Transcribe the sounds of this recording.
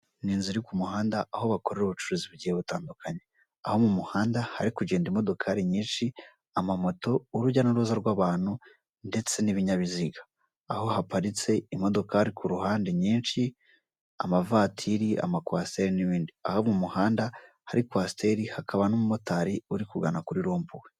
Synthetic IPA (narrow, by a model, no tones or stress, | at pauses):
niːnziɾikumuhaːndaaho̞βako̞ɾe̞ɾuβut͡ʃuɾuziβɟiheβutaːndukʰaɲe | aho̞mumuhaːndahaɾikuɟe̞ːndimo̞do̞kʰaɾiɲiːnʃi | amamo̞to̞ːɾuɟanuɾuzaɾɡwaːβaːn̥hu | nde̞t͡se̞niβiɲaβiziɡḁː | ho̞hapaɾit͡se̞imo̞do̞kaɾikʰuɾuhaːndeɲiːnʃi | a̰mavaːtʰiɾia̰makwaːste̞ɾiniβiːndiahomumuhaːnda | haɾikwaːste̞ɾihakaβanomumo̞taɾiuɾikuɡa̰nakuɾiɾo̞ːmbuwe